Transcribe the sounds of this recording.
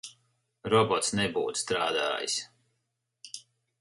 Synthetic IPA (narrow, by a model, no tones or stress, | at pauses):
ɾɔbɔt̪snɛbṵːt̪st̪ɾaːd̪a̰ːjḭs